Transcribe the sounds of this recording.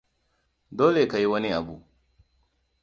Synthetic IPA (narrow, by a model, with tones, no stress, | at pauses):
doː˦le˨ka˨ji˦wɐ˦ni˦ʔa˨buː˦ʔ